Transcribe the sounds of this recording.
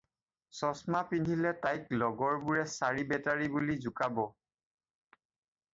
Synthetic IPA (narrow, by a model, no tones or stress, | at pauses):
sɔsmapindʱilɛtajklɔɡɔɹbuɹɛsaɹibɛtaɹibulizukabɔ